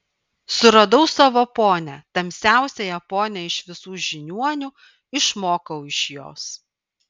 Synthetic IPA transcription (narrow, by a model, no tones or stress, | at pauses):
sʊɾɐd̪ɐʊsɑʋoːpoːnʲɛt̪ɐmʲsʲæˑʊsʲɛjɛpoːnʲɛɪʃʋʲɪsuːʒʲɪnʲuɔnʲu | ɪʃmoːkɐʊɪʃjo̰ːs